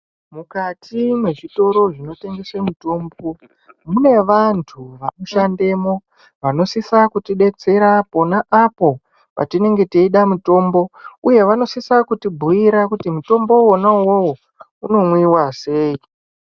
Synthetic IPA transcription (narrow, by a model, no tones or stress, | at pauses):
mukatʰimwe̞ʐito̞ɾo̞ʐino̞te̞ŋɡe̞semuto̞ːmbo̞ | mune̞ʋantʰuʋanoʃande̞mo̞ | ʋano̞sisakutiɗe̞t͡se̞ɾapo̞naʔapo̞ | pa̰tine̞ŋɡe̞tiiɗamuto̞mbo̞uje̞ʋano̞sisakutibʱujiɾakutimuto̞mbo̞onawowo | uno̞mwiwase̞ːi